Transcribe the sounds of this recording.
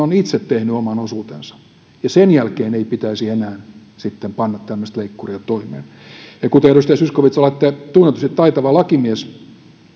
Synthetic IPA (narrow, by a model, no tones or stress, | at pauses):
onit̪set̪tehnyomɑnosuːt̪ḛnsɑ̥ | jɑsenjælkeːneipit̪æisienæːn | sit̪ːempɑnːɑt̪t̪æmːøst̪leikːuriot̪oimḛːn | jɑkut̪eryst̪æsyskoʋit̪solɑet̪ːæt̪unːet̪usit̪t̪ɑit̪ɑʋɑlɑkimies